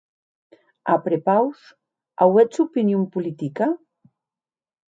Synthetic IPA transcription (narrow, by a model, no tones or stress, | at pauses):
apɾepaws | a̰wɛt͡supinjompulit̪ika